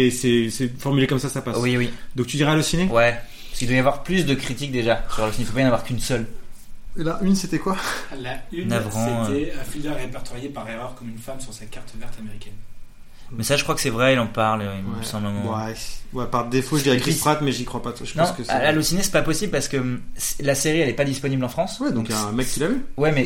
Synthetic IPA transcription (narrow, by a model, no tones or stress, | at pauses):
ɛsɛsɛfɔʁmylekɔmsasapaswiwid̪ɔ̃k̚t̪yd̪iʁɛalosinewɛ | paskild̪wajavwaʁplys̬d̪əkχit̪ik̚d̪eʒasyʁalosinifopajɑ̃navwaʁkynsœl | laʔynset̪ɛkwalaynavʁɑ̃ɛfild̪ɛʁːepɛʁt̪ʰɔʁjepaʁeʁœʁkɔmynfamsyʁsakʲaʁt̪vɛʁt̪ameʁikʲɛn | mɛsaʒəkχwakə̥sɛvʁɛilɑ̃paʁlɛsɑ̃bləmɑ̃ɛwɛpaʁd̪efoʒəd̪iakipχat̪mɛʒikχwapaaʒə̥pnɑ̃kəa̰lalosinesɛ̥papɔsiblpaʁsə̥kəslaseʁiɛlɛpad̪ispɔniblɑ̃fχɑ̃swɛd̪ɔ̃kjãmɛkʲːilavywɛmɛ